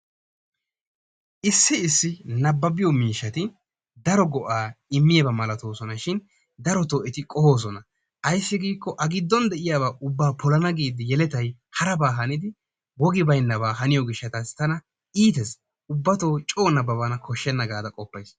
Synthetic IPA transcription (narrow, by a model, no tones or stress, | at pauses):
ʔɪsːɪɪsːɪnɐbːɐbɪjɔmiːʃːɐt̪ɪ | d̪ɐɾɔɡɔʔaːɪmːɪjɐbɐmɐlɐt̪oːsɔnɐʃɪn | d̪ɐɾɔt̪oːɛt̪ɪkʼɔho̞ːs̬ɔnɐ | ʔɐjsːɪɡiːkːɔʔɐɡɪd̪ːɔnd̪ɛʔɪjaːβaːʔʊbːaːpʰɔlɐnɐɡiːd̪ɪjɛlɛt̪ɐjhɐɾɐbaːɦɐnɪd̪ɪ | wɔɡɪbɐjnːɐβaːɦɐnɪjɔɡɪʃːɐt̪ɐst̪ɐnɐ | iːt̪ɛs | ʊbːɐt̪oːt͡ʃʼo̞ːnɐbːɐβanɐkʰɔʃːɛnːɐɡaːd̪ɐkʼɔpːɐjs